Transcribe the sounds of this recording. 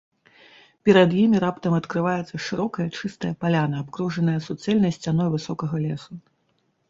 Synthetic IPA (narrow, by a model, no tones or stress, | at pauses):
pʲɛɾɐd̪jimʲiɾapt̪ɐmɐt̪kɾɨvajɛt̪sːɐʂɨɾɔkɐjɐt͡ʂɨst̪ɐjɐpalʲanɐːpkɾuʐɐnɐjɐsut̪sɛlʲnɐjsʲt͡sʲanɔjvɨsɔkɐɣɐlʲɛsu